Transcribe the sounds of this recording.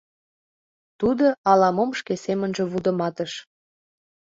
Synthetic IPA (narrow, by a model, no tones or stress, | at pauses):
t̪ud̪oɑlɑmomʃkesemənʒĕβud̪ə̆mɑt̪əʃ